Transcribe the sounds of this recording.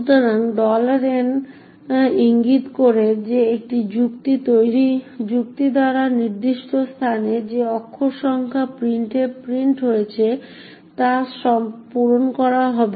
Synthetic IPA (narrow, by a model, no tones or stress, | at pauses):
ut̪oɾanɖɔlaɾen | iŋɡit̪koɾed͡ʑeek̚ʈid͡ʑukt̪it̪ojɾid͡ʑuk̚t̪id̪aɾaniɾd̪iʃʈost̪ʰaned͡ʑeɔkʰːoʃɔŋkʰapɾiɳʈepɾiɳʈɦojet͡ɕʰe | t̪aʃɔmpoɾonkɔɾaɦɔbe